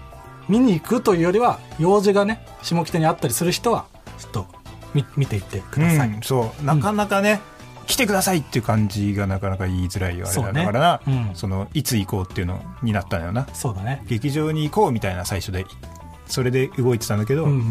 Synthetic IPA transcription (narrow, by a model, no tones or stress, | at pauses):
mʲiɲ̟iːkɯ̟t̪o̞jɯ̟ːjo̞ɾʲiβajo̞ːzɨɡane | ɕimo̞kʲt̪eɲ̟iat̪ːaɾʲisɨɾɯ̟çi̥t̪o̞βa | z̥ɨ̥t̪ːo̞ | mʲimʲit̪e̞it̪ːe̞kɯd̪aɯ̃aiso̞ːnakanakane | kʲi̥t̪e̞kɯ̟d̪asait̪ːeiɯ̟kãɲ̟d͡ʑiɡanakanakaiːzɨɾaḭa̰eoːanakaɾanaɯ̃so̞no̞it͡sɨiko̞ːt̪ːeiɯ̟no̞̰ɲ̟inat̪ːan̰jo̰naso̞ːd̪aneɡ̥e̞kʲiʑo̞ːɲ̟iːko̞ːmʲit̪ainasaiɕo̞d̪e̞ | so̞ɾe̞d̪e̞ɯ̟ɡo̞it̪e̞t̪and̪ake̞d̪o̞